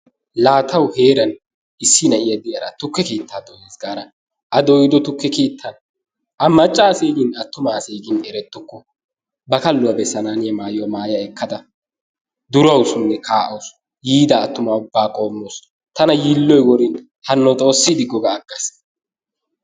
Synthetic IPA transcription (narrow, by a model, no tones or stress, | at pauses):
laːt̪ʰɐwheːɾɐn | ɪsːɪnɐʔɪjɐd̪ɪjɐɾɐt̪ʊkːɛkeːt̪ːaːd̪ɔjeːsɡaːɾɐ | ʔɐd̪ɔjɪd̪ɔt̪ʊkːɛkeːt̪ʰːɐn | ʔɐmɐt͡ʃʼːaːseːɡɪnɐt̪ːʊmaːseːɡɪnɛɾɛt̪ːʊkːɔ | bɐkɐlːʊwɐbɛsɐnaːnɪjɐmaːjɪwɔmaːjɐɛkːɐd̪ɐ | d̪ʊɾɐwsʊnːɛkʰaːʔɐws | jiːd̪ɐːt̪ːʊmaːʊbːaːkʼo̞ːmːoːs | t̪ɐnɐjiːlːɔjwɔɾɪn | hɐnːɔt͡s̪ʼo̞ːsːid̪ɪɡːɔɡaːɡɐs